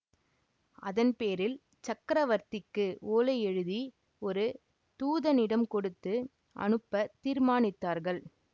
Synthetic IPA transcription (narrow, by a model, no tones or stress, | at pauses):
ɐðɐnpeːɾɪl | t͡ʃɐkːɾɐʋɐɾt̪ɪkːɯoːlɐɛɻɯði | ɔɾɯ | t̪uːðɐnɪɽɐmkɔɽɯt̪ːɯ | ʔɐ̰nɯpːɐt̪iːɾmaːnɪt̪ːaːɾɣɐɭ